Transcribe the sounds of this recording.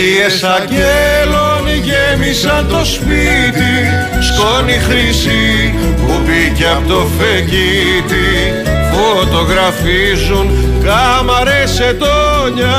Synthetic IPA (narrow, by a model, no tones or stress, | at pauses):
iesɐɟeloniʝemisɐnt̪o̞spit̪i | skonixɾisi | pubiceɐpot̪ofeci | t̪i | fot̪o̞ɣɾɐfi | zun | kɐmɐɾese̞t̪o | ɲɐ